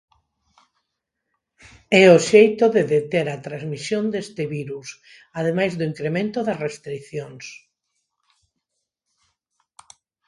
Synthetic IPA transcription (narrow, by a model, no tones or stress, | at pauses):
ɛoʃejt̪oðeðet̪eɾɐt̪ɾazmisjond̪est̪ɪβiɾus | að̞emajzðʊiŋkɾemẽnt̪oðɐsrest̪ɾiθjoŋs